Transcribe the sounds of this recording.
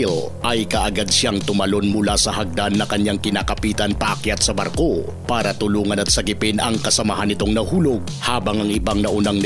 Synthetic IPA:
l | ʔɐjkɐʔɐɡad̪̚ʃaŋt̪ʊmɐlo̞nmʊlasɐɦɐɡ̚d̪anːɐkɐɲaŋkɪnaːkɐpiːt̪ɐnpɐʔɐkjat̪̚sɐbɐɾko̞ | paːɾɐt̪ʊluːŋɐnɐt̪̚sɐɡɪpɪnɐŋkɐsɐmaɦanːɪt̪o̞ŋnɐhuːlo̞ɡ̚haːbɐŋɐŋʔɪbaŋnɐʔʊnaŋ

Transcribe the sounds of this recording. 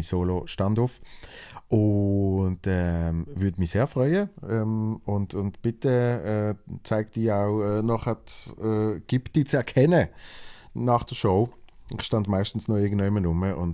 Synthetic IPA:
isoːloʃtɑndʊf | ʔʊndɛvʏɐdmiseːɐfʁœʏəɛmʊntʊndb̥ɪtəɛːt͡saɪk̚td̥iːaʊɛːnɔχətɛɡ̥ɪptiːt͡sɛɐkʰɛnə | nɑχd̥əʃoʊɪχʃtɑndmaɪʃtn̩snɔɪɐɡən̩dœʏɪmənʊməʔʊn

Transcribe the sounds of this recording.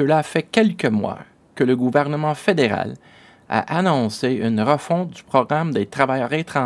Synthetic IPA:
əlafɛkʲɛlkəmwa̰ | kələɡuvɛʁnəmɑ̃fed̪eʁa̰l | a̰ʔanɔ̃seynʁəfɔ̃t̪̚d͡zypχɔɡʁamd̪et̪χavajœːʁet̪χɑ̃

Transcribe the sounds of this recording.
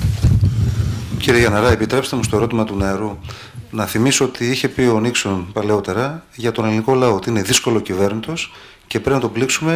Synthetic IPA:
ciɾieʝɐnɐɾɐepit̪ɾe̞pst̪e̞must̪o̞e̞ɾo̞t̪imɐt̪uneɐɾu | nɐθimiso̞ot̪iiçe̞pio̞niksonpɐle̞o̞t̪e̞ɾɐʝɐt̪o̞neliniko̞lɐoot̪iine̞ðisko̞lo̞cive̞ɾnit̪o̞s | ce̞pɾepinɐt̪obliksume̞

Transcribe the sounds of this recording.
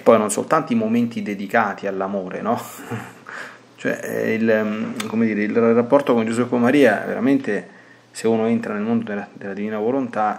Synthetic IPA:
pːɔjnonso̰lt̪ant̪oimoment̪id̪ed̪ikaːt̪ialːamoːɾḛnɔ | t͡ʃoɛ̰ilkomed̪iːɾeilrapːɔrt̪okond͡ʒusuɛkːomaɾiːa̰vḛɾa̰ment̪e | seunoent̪ɾanelmond̪od̪elad̪elad̪iviːnavolont̪a

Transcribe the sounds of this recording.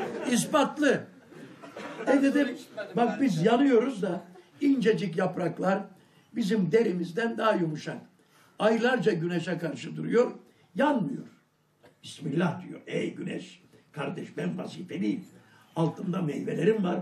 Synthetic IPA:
ispat̪lˠɯ | ɛd̪ed̪imbak̚bizjanˠɯjo̞ɾuzd̪a | ind͡ʒe̞d͡ʒicjapɾaklˠaɾ | bizimd̪e̞ɾimizd̪ænd̪aajumuʃak | ajlˠaɾd͡ʒaɟyneʃɛkaɾʃɯd̪uɾujo̞ɾ | janmɯjo̞̰ɾ | bismilʲːahd̪yjo̰ɾejɟynɛ̰ʃ | kʰaɾd̪ɛʃbænva̰siːt̪elʲijim | alˠt̪ʰɯnd̪amḛjvelʲeɾimvaɾ

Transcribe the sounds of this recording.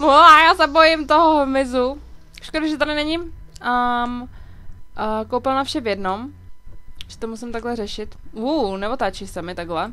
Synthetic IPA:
moajaːsɛbojɪmt̪oɦomɪzu | ʃkoduʒɛt̪adɪnɛɲɪəm | kowpɪlnafʃɛvjɛdnom | ʒ̥ɛ̥t̪omusɪmt̪aɡlɛrɛʃɪt̪uːnɛvot̪aːt͡ʃɪsɛmɪt̪aɡɦlɛ

